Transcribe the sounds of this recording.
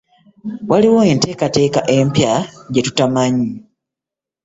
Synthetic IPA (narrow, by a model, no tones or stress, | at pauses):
waliwo̞e̞ːnte̞ːkate̞ːkaʔe̞mpjaɟe̞tu̥tamaɲi